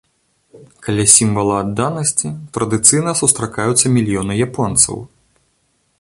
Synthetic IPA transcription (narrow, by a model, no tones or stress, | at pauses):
kalʲasʲimvɐlˠɐad̪ːanɐsʲt͡sʲit̪ɾɐd̪ɨt̪sɨjnɐsust̪ɾakajut̪sːɐmʲilʲijɔnɨjapɔnt̪sɐ̰w